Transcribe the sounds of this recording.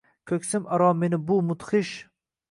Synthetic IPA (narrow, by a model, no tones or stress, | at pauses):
kʲʰɵkʲsɪmʔaɾɒme̞nɪbʊmʊt̪χɨʃ